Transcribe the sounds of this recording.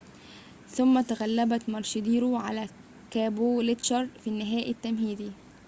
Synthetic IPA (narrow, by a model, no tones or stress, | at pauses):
θʊmːæt̪æɣælːæbæt̪mɑɾˤʃɪd̪iːɾuʕalæ | kæːbolet̪ʃɑɾˤfinːɪɦæːʔɪt̪ːæmɦiːd̪i